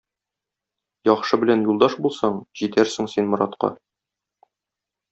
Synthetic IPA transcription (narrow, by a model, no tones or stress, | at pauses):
jɒχʃɤbɘ̆lænjulˠd̪ɑʃbulˠsɑɴʑit̪æɾsɘ̆ŋsinmŏɾɑt̪qɑ̰